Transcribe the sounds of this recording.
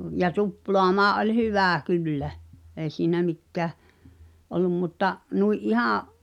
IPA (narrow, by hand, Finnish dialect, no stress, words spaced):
jɑ tuploɑmɑːʔ ʔolʲ hyʋæˑ kylːæ eˑi̞ siːnæ mikːæˑ olˑum mutːɑ nuiʔ ʔihɑ̃ː